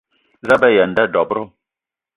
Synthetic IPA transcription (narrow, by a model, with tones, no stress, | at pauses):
za˦bɛ˦˨ja˨nda˦ɖɔ˨bɾo˦